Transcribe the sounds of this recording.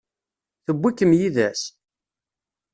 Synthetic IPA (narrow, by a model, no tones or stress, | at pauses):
θəbːikːəmjiðæs